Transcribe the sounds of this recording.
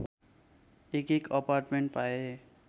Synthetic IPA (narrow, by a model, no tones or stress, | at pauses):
ekekʌparʈmeɳʈ̚pae